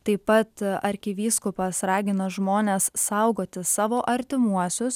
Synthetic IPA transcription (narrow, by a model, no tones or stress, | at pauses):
t̪ɐɪppɐt̪ɐɾʲkʲɪʋʲiːskʊpɐsɾɑːɡʲɪnɐʒmoːnʲɛssɐʊɡoːt̪ʲɪsɑːʋoːʔɐɾʲt̪ʲɪmuɔsʲʊs